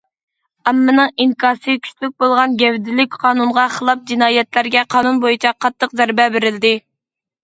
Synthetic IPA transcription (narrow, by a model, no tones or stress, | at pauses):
ɑmːɨnɨŋiŋkʰɑːsɨkʲʰy̥t͡ʃ̪lyk̚ʲbolˠʁɑnɡʲɛvd̪ɪlykʲqʰɑːnunʁɑχəlˠɑp̚d͡ʒinɑːjɛt̪læɾɡʲɛqʰɑːnunbojit͡ʃʰɛqʰɑt̪ːəqzæɾbɛbɪɾɪld̪ɪ